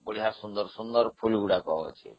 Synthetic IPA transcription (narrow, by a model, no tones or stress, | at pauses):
boɽiɦaɾsund̪ɔɾsund̪ɔɾpʰulɡuɽakɔ̰ɔ̰t͡ʃʰḭ